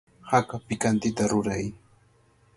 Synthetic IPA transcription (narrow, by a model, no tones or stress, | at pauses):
hakapɪkant̪ɪt̪aɾʊɾaj